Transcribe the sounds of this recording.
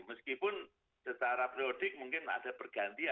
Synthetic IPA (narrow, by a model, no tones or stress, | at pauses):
məskipʊn | sət͡ʃaɾapɾiod̥ɪk̚muŋkɪna̰d̥apərɡ̥a̤nt̪ia